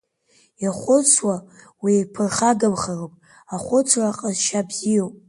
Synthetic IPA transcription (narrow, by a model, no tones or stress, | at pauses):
jaχʷʊt͡sʰwa | wipʰɨrχaɡɨmχaropʼ | aχʷʊt͡sʷʰraqʼəzʃabziopʼ